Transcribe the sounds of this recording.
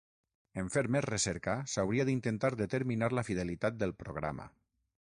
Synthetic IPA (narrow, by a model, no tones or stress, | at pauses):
eɱfeɾmɛsresɛɾkasawɾiaðint̪ent̪aɾðət̪eɾminaɾlafið̞elit̪at̪̚d̪əlˠpɾoɣ̞ɾa̰ma̰